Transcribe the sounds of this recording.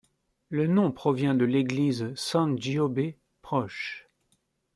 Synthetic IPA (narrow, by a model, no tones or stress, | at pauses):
lənɔ̃pχɔvjɛ̃d̪əleɡlizsɑ̃ʒiɔbe | pχɔʃ